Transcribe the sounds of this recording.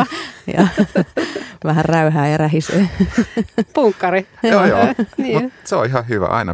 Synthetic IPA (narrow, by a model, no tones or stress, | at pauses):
jɑ̰ | ʋæhærræyhæːeræhisḛː | pukːɑriojo̰niːmuseo̰ihɑhyʋæ̰ʔɑ̰inɑ̰